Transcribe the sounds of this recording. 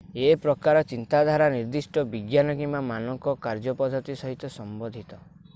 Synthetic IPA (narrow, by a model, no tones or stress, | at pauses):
epɾɔkaɾɔt͡ʃint̪ad̪ʱaɾaniɾd̪isʈɔbiɡjanɔkimamanɔŋkɔkaɾd͡ʒɔpɔd̪ʱɔt̪isɔɦit̪ɔsɔmbɔd̪ʱit̪ɔ